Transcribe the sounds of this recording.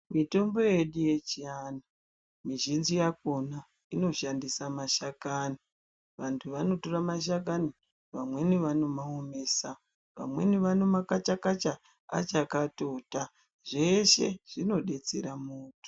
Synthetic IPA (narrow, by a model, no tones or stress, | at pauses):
mito̞mbo̞jeɗuje̞t͡ʃiaːna | miʒinzijak̚ona | ino̞ʃandisamaʃakani | ʋantʰuʋano̞to̞ramaʃ̬ak̬ani | ʋamwe̞niʋano̞maomeːsa | ʋa̰mwe̞̰niʋano̞makat͡ʃakat͡ʃa | a̰t͡ʃakatota | ʐe̞ʃe̞ʐ̥ino̞ɗe̞t͡se̞ɾamuːto̥